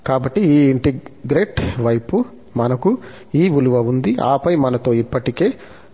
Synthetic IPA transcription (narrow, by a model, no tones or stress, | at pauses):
kaːbɐʈːiiːiɳʈiɡɾe̞ːʈʋɐjpu | mɐnɐku | iːʋuluʋɐund̪iʔa̰ːpɐjmɐnɐt̪o̞ːipːɐʈike̞ː